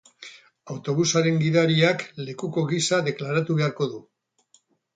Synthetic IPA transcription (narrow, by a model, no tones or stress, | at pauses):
awt̪o̞β̞usaɾe̞ŋɡiðaɾiakle̞kuko̞ɣisaðe̞klaɾat̪uβe̞aɾko̞ðu